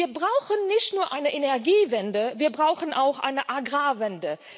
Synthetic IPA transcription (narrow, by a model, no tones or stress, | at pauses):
iːɐbʁaʊxənːɪçtnuːɐʔaɪnəʔenɛɐɡiːvɛndəviːɐbʁaʊxn̩ʔaʊxʔa̰ɪnəʔaɡʁaːvɛndə